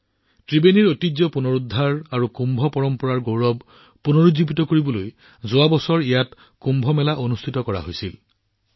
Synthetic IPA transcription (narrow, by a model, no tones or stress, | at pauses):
tɹibeniɹotizɔpunoɹudʱːaɹaɹukumbʱɔpɔɹɔmpɔɹaɹɡowɹɔb | punoɹuzibitɔkoɹibɔloj | zʊabɔsɔɹijat | kumbʱɔmɛlaʔonustʰitɔkɔɹa̰ɦojsil